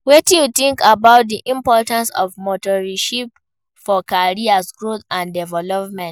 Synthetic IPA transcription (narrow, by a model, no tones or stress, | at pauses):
wɛtijut̪ĩŋkabaʊt̚diʔĩmpɔtãnsɔ̰vmotɔɹiʃip̚ | fɔkaɹiasɡɹoθãndɛvɛlɔp̚mɛ̃nt